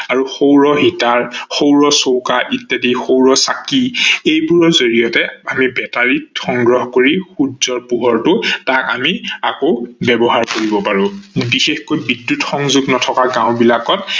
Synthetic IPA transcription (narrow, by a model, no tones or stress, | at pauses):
aɹuxowɹɔɦitaɹxowɹɔsowkaʔitːadixowɹɔsakiejbuɹɔzoɹijɔtɛamibɛtaɹitxɔŋɡɹɔɦkoɹixudzɔɹpuɦɔɹtʊtaka̰miakobɛbɔɦaɹkoɹibɔpaɹʊ̃bixexkojbidːutxɔŋzuɡnɔtʰɔkaɡãʊ̃bilakɔt̚